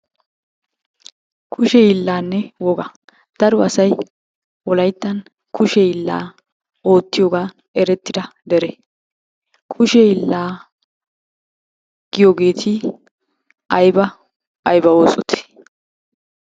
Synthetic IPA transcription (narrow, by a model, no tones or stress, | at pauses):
kʰʊʃɛɪlːaːnːɛwɔɡa | d̪̥ɐɾʊɐsɐj | wɔlɐjt̪ːɐn | kʰʊʃɛɪlːa̰ː | o̞ːt̪ːɪjoːɡaː | ɛɾɛt̪ːɪd̪ɐd̪ɛɾɛ | kʰʊʃɛɪlːaː | ɡ̥ɪjoɡe̞ːt̪ʰɪ | ʔɐjbɐ | ɐjbɐo̞ːsʼɔt̪ʰe̥